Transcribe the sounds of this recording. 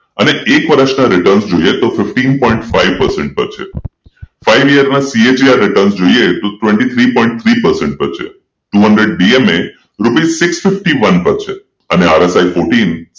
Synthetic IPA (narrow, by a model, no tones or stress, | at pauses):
əneekʋəɾəʃnaɾɪʈəɾnsd͡ʒoiet̪ofɪfʈinpɔ̃ĩɳʈfaiʋpəɾsɛɳʈ̚pə̰ɾt͡ʃʰḛ | faiʋijəɾnasied͡ʒiaɾːɪʈəɾnsd͡ʒoiet̪oʈʋẽɳʈit̪ʰɾipɔĩɳʈ̚t̪ʰɾipəɾsɛɳʈ̚pəɾt͡ʃʰḛ | ʈuɦə̃ɳɖɾeɖ̚ɖieme | ɾupisɪksfɪfʈiʋənpəɾt͡ʃʰe | əneaɾesajfoʈin